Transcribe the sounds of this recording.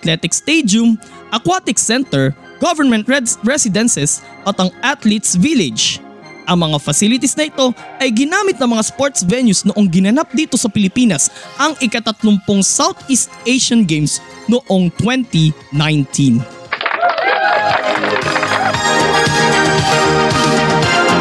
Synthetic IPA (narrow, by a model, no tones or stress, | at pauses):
ɐt̪lɛt̪ɪk̚st̪ejd̪ʊm | ʔɐkwat̪ɪksɛnt̪ɛɹ | ɡ̥ovɛɹmɛ̃nt̪̚ɹɛsɪd̪ɛ̃nsɛs | ʔɐt̪ɐŋʔat̪lit̪svilɪd͡ʒ | ʔɐŋmɐŋafɐsilɪt̪isnɐʔɪt̪o̞ʔɐjɡɪnaːmɪt̪nɐŋmɐŋaspoɹt̪svɛnjusnoʔoŋɡɪnɐnap̚d̪iːt̪o̞sɐpɪlɪpiːnɐsʔɐŋʔɪkat̪ɐt̪lʊmpoŋsawt̪ist̪ʔejʃɐnɡejmsnoʔo̞ŋt̪wɛnt̪inajnt̪ʰin